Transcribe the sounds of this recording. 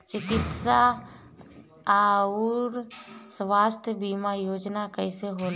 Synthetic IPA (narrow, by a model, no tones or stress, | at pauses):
t͡ʃɪkɪt̪sa | aːɾsʋaːst̪ʰjəbiːmajoːd͡ʒnakəɪseɦoːl